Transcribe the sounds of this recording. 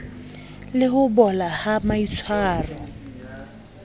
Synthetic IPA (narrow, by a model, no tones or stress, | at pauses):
lɪhʊbɔlahamait͡sʰwaːrɔ